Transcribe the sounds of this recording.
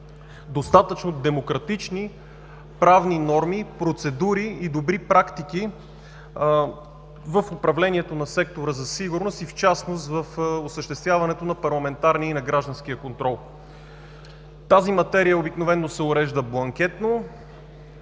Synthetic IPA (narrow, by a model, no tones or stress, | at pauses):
d̪ost̪at̪ət͡ʃnod̪ɛmokɾɐt̪it͡ʃni | pɾavninɔɾmipɾot̪sɛd̪uɾiːd̪obɾipɾakt̪iki | vəfopɾɐvlɛniɛt̪onɐsɛk̚t̪oɾəzɐsiɡʊɾnost̪ift͡ʃasnost̪vəfosəʃt̪ɛst̪vʲjavɐnɛt̪onɐpɐɾlˠɐmɛnt̪aɾniinɐɡɾaʒd̪ɐnsk̟ijəkont̪ɾɔlˠ | t̪azimɐt̪ɛɾijəobiknovɛnːosɛʊɾɛʒd̪əblˠɐŋk̟ɛt̪no